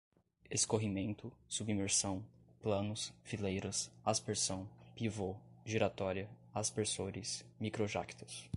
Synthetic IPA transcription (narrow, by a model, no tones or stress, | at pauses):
eskoɦimẽnt̪ʊsubimeɾsɐ̃w̃plɐ̃nʊsfilejɾɐsaspeɾsɐ̃w̃pivoʒiɾat̪ɔɾiɐaspeɾsoɾɪsmikɾoʒa̰kt̪ɐ̥s